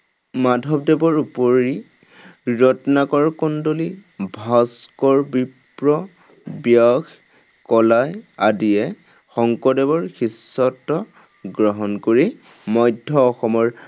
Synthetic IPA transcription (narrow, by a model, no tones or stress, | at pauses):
madʱɔb̚dɛbɔɹupoɹi | ɹɔtɔnakɔɹkɔndolibʱaskɔɹbipɹɔ | bjɔɡ | kɔlajadijɛ | xɔŋkɔdɛbɔɹxisːɔtːɔ | ɡɹɔɦɔnkoɹi | mɔjdʱːɔːxɔmɔɹ